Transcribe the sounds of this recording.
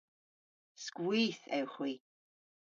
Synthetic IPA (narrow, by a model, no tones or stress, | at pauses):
skwiːθɛ̰wxwiː